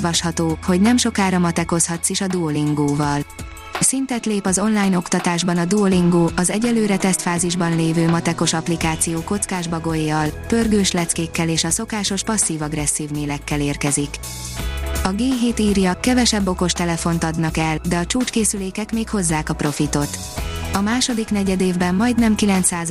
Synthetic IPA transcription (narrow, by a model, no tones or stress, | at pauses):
vɒʃhɒt̪oːho̞ɟnɛmʃo̞kaːɾɒmɒt̪ɛko̞shɒt̪siʃɒd̪uoliŋɡoːvɒl | sint̪ɛt̪leːpɒzo̞nlaːjno̞kt̪ɒt̪aːʒbɒnɒd̪uoliŋɡoːʔɒzɛɟɛlːøːɾɛt̪ɛst̪faːziʒbɒnleːvøːmɒt̪ɛko̞ʃɒplikaːt̪sijoːko̞t̪skaːʒbɒɡo̞jːɒlpø̞rɡøːʃlɛt̪skeːkːɛleːʃɒso̞kaːʃo̞ʃpɒsːiːvɒɡrɛsːiːvneːlɛkːɛleːrkɛzik | ɒɡeːɦeːt̪iːrjɒkɛvɛʃɛbːo̞ko̞ʃt̪ɛlɛfo̞nt̪ɒd̪nɒkɛld̪ɛɒt͡ʃuːt͡ʃkeːsyleːkɛkmeːkho̞zːaːkɒpro̞fit̪o̞t̪ | ɒmaːʃo̞d̪iknɛɟɛd̪eːvbɛmmɒjd̪nɛmkilɛnt̪saːz